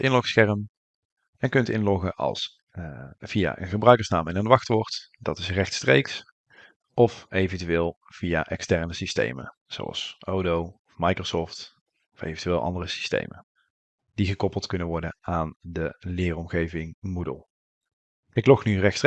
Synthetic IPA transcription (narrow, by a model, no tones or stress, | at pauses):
ɪnlɔxsxɛɹəm | ɛnkɵntɪ̰nlɔχəʔɑ̰lˠs | vija̰ʔə̰nχəbrœɥkəɹsnaːmɛnənʋɑxtʋɔɹtdɑtɪsrɛxtstrejks | ɔfejvəntyʋɪːlˠ | v̥ijaʔɛkstɛɹnəsistḛjmə̰ | z̥o̰wɑ̰lˠsowdowɔfmɑjkrosɔft | ɔfḛjvəntyʋɪːlˠʔɑ̰ndərəsi̥stḛjmə̰ | d̥iɣəkɔpəlˠtkɵnənʋɔɹdənaːndəlɪːrɔmɣejvɪŋmudə̰lˠ | ɪklɔxnyrɛxts